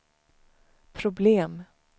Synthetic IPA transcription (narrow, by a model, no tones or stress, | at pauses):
pʰɾʊbleːm